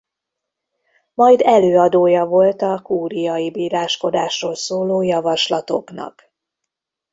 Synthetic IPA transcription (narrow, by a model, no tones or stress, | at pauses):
mɒjd̪ɛløːɒd̪oːjɒvo̞lt̪ɒkuːɾijɒjibiːɾaːʃko̞d̪aːʃroːlsoːloːjɒvɒʃlɒt̪o̞knɒ̰k